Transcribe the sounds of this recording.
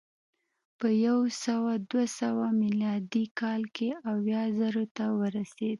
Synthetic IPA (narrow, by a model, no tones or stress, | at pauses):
pəjawsawad̪wasawamiljɑd̪ikɑlkeawjɑzəɾot̪awəɾased̪̚